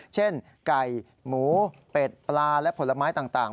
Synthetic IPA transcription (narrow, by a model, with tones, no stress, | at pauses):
t͡ɕʰe˥˩n | ka˨˩j | muː˩˦peː˨˩t̪̚plaː˧lɛ˦˥ʔpʰo˩˦la˧maː˦˥jt̪aː˨˩ŋt̪aː˨˩ŋ